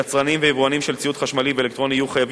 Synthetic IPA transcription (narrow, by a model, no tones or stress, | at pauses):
at͡sʁanimvejivuanimʃelt͡siut̪χaʃmaliveelekt̪ʁo̞nijuχajav